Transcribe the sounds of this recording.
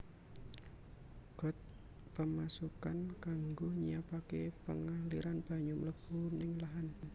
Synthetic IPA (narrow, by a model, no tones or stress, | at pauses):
ɡ̥ɔ̤t̪̚ | pəmasukankaŋɡoɲiapakepəŋahliɾanb̥a̤ɲʊmləb̥unɪŋlaɦan